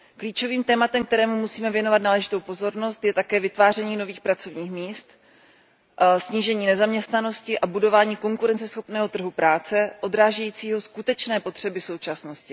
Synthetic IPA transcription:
kliːt͡ʃo̞viːmt̪ɛːmat̪ɛmk̚t̪ɛɾɛːmumusiːmɛvjɛno̞vat̪̚naːlɛʒɪt̪o̞wpo̞zo̞ɾnost̪jɛt̪akɛːvɪt̪vaːr̝ɛɲiːno̞viːxpɾat͡so̞vɲiːxmiːst̪ | sɲiːʒɛɲiːnɛzamɲɛst̪nano̞scɪʔabudo̞vaːɲiːko̞ŋkuɾɛnt͡sɛsxo̞pnɛːɦo̞t̪r̩ɦupɾaːt͡sɛʔo̞d̪ɾaːʒɛjiːt͡siːɦo̞skut̪ɛt͡ʃnɛːpo̞t̪r̝̥ɛbɪso̞wt͡ʃasno̞scɪ

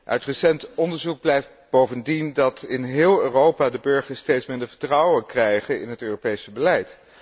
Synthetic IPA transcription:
ʔœ̰ɥtrəsɛntɔndəɹzuɡ̚blɛjf | b̥owvəndindɑtɪnɦɪːlˠøːrowpaːdəbøɹχəɹstejtsmɪndəɹvəɹtrɑwənkrɛjχənɪ̰nɦətøːropejsəbəlɛjt

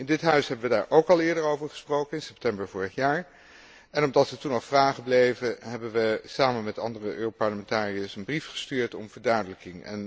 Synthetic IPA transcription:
ɪndɪtɦœɥsɦɛbəʋədaːɹʔowkɑlˠɪːɹdəɹowvəɹχə̥sprowkənɪnsɛp̚tɛmbəɹvʊːɹəχjaːɹ | ɛnɔmdɑtʋətunɑlˠfraːχəblejvəɦɛbənʋəsaːmənmɛtɑ̰ndərəʔøːropɑɹləmɛntaːriəsənbrifχə̥styːɹtɔmv̥əɹdœɥdələkɪŋɛ̰n

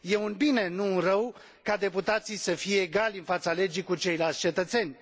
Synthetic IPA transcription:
je̞unbine̞nunrəw | kad̪e̞put̪at̪sijsəfijeːɡalʲɨnfat̪sale̞d͡ʒikut͡ʃe̞jlalt̪sʲt͡ʃe̞t̪ət̪se̞nʲ

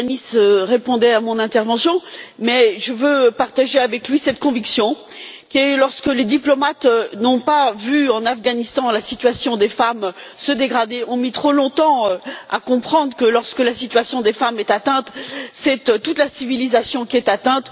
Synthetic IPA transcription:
nisəʁepɔ̃d̪ɛamɔ̃nɛ̃t̪ɛʁvɑ̃sjɔ̃mɛʒəvøpaʁt̪aʒeavɛklɥisɛt̪kɔ̃viksjɔ̃ | kʲɛlɔʁskəled̪iplɔmat̪nɔ̃pavyɑ̃nafɡanist̪ɑ̃lasit̪ɥasjɔ̃d̪efam | səd̪eɡʁad̪eɔ̃mit̪χolɔ̃t̪ɑ̃øa̰kɔ̃pχɑ̃d̪ʁəkəlɔʁskəlasit̪ɥasjɔ̃d̪efamɛt̪at̪ɛ̃t̪sɛt̪t̪ut̪lasivilizasjɔ̃kʲiɛt̪at̪ɛ̃t̪

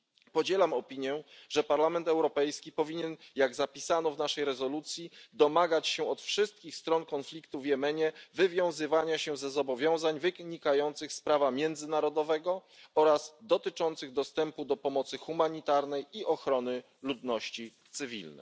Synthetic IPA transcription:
pɔd͡ʑɛlamɔpʲiɲjɛʐ̥ɛpaɾlamɛnt̪ɛwɾɔpɛjskʲipɔvʲiɲɛnjaɡzapʲisanɔvnaʂɛjɾɛzɔlut̪sʲjid̪ɔmaɡat͡ɕɕɛɔt̪fʂɘst̪̚kʲixst̪ɾɔnkɔnflʲikt̪uvjɛmɛɲɛvɘvʲjɔ̃w̃zɘvaɲaɕɛzɛzɔbɔvʲjɔ̃w̃zaɲvɘɡɲikajɔnt̪sɘxspɾavamʲjɛnd̪zɘnaɾɔd̪ɔvɛɡɔɔɾaz̥d̪ɔt̪ɘt͡ʂɔnt̪sɘɣd̪ɔst̪ɛmpud̪ɔpɔmɔt̪sɘxumaɲit̪aɾnɛjiʔɔxɾɔnɘ | lud̪nɔɕt͡ɕit̪sɘvʲḭlnɛ̰

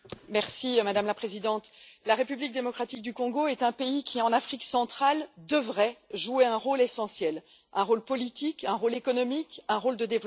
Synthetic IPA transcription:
mɛʁsimad̪amlapχezid̪ɑ̃t̪laʁepyblik̚d̪emɔkχat̪ik̚d̪ykɔ̃ɡoɛt̪ɛ̃peikʲʰiɑ̃nafχiksɑ̃t̪χald̪əvʁɛʒueɛ̃ʁolesɑ̃sjɛl | ɛ̃ʁolpɔlit̪ikɛ̃ʁolekɔnɔmikɛ̃ʁold̪əd̪ev

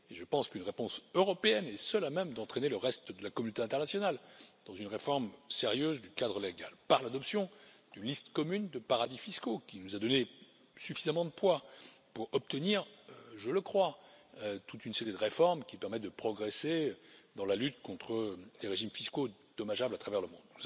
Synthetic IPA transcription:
eʒəpɑ̃skynʁepɔ̃søʁɔpeɛnɛsœlamɛmd̪ɑ̃t̪χeneləʁɛst̪d̪əlakɔmynot̪eɛ̃t̪ɛʁnasjɔnald̪̥ɑ̃zynʁefɔʁmseʁjøzd̪ykad̪ʁəleɡalpaʁlad̪ɔpsjɔ̃d̪̥ynlist̪kɔmynd̪əpaʁad̪ifiskokʲinuzad̪ɔne | syfizamɑ̃d̪əpwapuʁɔp̚t̪əniʁʒələkχwaøt̪ut̪ynseʁid̪əʁefɔʁmkʲipɛʁmɛt̪̚d̪əpχɔɡʁesed̪ɑ̃lalyt̪kɔ̃t̪χəleʁeʒimfiskod̪̥ɔmaʒablat̪χavɛʁləmɔ̃d̪

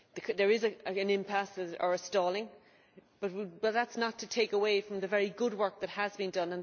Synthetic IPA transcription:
ðɨkʰðə˞ɪzɨəɨ̃nɪ̃mpʰæsəə̰˞əstɔːlˠɪ̃ŋ | b̥ʌt̚wb̥ʌt̪̚ðætsnətʰətʰeɪkəweɪfɹʌ̃mðɨvɛɹiɡʊd̚wɜ˞k̚ðət̚həzbĩndʌ̃nə̃n

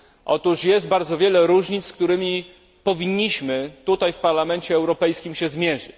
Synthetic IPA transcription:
ʔɔ̰t̪uʂjɛst̪̚baɾd̪zɔvʲjɛlɛɾuʐɲit̪ssk̚t̪uɾɘmʲi | pɔvʲiɲːiɕmɘt̪ut̪ajfpaɾlamɛnt͡ɕɛːwɾɔpɛjskʲimɕɛzmʲjɛʐɘ̰t͡ɕ

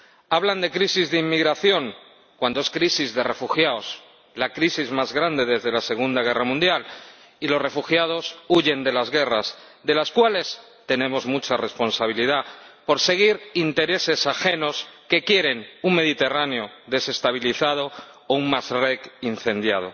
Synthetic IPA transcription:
aβland̪e̞kɾisizðeimːiɣɾaθjo̞ŋ | kwand̪oe̞skɾisizðe̞re̞fuxjaos | lakɾisizmazɣɾand̪e̞ðe̞zðe̞lase̞ɣ̞und̪aɣ̞e̞ramũnd̪jal | ilo̞sre̞fuxjað̞o̞suʝe̞nd̪e̞lazɣe̞raz | ðe̞laskwale̞s | t̪e̞nẽ̞mo̞zmut͡ʃare̞spo̞nsaβ̞iliðapo̞ɾse̞ɣ̞iɾint̪e̞ɾe̞se̞saxe̞no̞ske̞kje̞ɾe̞nuŋme̞ðit̪e̞raneo̞ðe̞se̞st̪aβ̞iliθað̞o̞ː | uŋmasrekin̟θe̞nd̪jað̞o̞̰

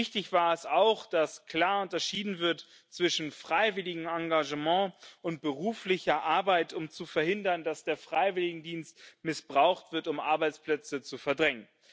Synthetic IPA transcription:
ɪçtɪçv̥aːɐɛsaʊxd̥askl̥aːɐʊntɐʃiːdn̩vɪɐt | t͡sv̥ɪʃn̩fʁ̥aɪvɪlɪɡŋ̩aŋɡaʒəmɑ̃ːʔʊnt̚b̥əʁuːflɪçɐʔaɐbaɪtʰʊmt͡sufɛɐhɪndɐndasd̥eːɐfʁ̥aɪvɪlɪɡŋ̩diːnstmɪsb̥ʁaʊxtv̥ɪɐtʊmʔa̰ɐbaɪt͡spl̥ɛt͡sət͡sufɛɐdʁɛŋən

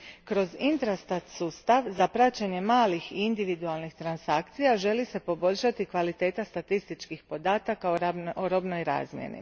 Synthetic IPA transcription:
kɾo̞zint̪ɾast̪at̪suːst̪aʋzapɾat͡ɕaɲe̞maːlixiind̪iʋid̪ualˠnixt̪ɾansakt̪sijaʒe̞lise̞po̞bo̞ʎʲʃat̪ikʋalit̪e̞ːt̪ast̪at̪ist̪it͡ʃkixpo̞d̪aːt̪akaooɾo̞bnojɾa̰ːzmjḛnḭ

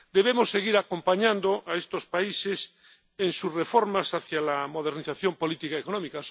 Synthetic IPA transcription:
d̪e̞β̞emosːe̞ɣiɾako̞mpaɲãnd̪oaest̪o̞spaises | ensusre̞foɾmasaθjalamo̞ð̞eɾniθaθjo̞mpo̞lit̪ikaekonõmikas

